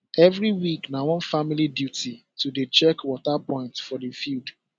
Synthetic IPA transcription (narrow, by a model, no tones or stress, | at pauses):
ɛvɾiwiknawɔ̃nfamilidjuti | tudet͡ʃɛkwɔtapɔ̃ɪ̃ntfɔdifild